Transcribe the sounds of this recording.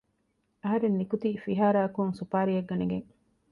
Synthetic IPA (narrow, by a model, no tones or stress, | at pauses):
ɐɦɐɾenːikut̪ifiɦaːɾaːkuŋsupaːɾiɐɡːɐneɡeŋ